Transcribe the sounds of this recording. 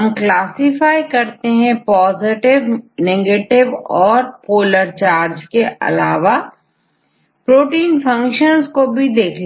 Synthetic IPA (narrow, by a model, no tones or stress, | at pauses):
mklaːsɪfaːikɐɾt̪eɦɛ̃pɔːzɪʈɪʋneːɡeːʈɪʋɔːɾpoːləɾt͡ʃaːɾd͡ʒkeʔɐ̰laːʋa | pɾoːʈiːnfʰɐ̃ŋkʃənzkobʱid̪eːkʰl